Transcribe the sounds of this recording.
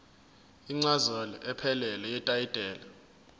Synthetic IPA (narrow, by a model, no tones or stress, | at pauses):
iŋ͡ǀazalɔʔɛpʰɛlɛlɛjɛtʼajid̥ʱʼɛːla